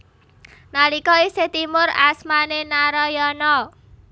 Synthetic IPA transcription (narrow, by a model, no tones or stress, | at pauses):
nalikɔiset̪imʊra̰smanenaɾɔjɔnɔ